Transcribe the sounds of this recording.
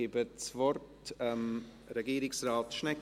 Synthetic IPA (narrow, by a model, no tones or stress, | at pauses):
ebət͡svɔrt | ɛm | ɾɛɡiːɾɪksraːtʃnɛk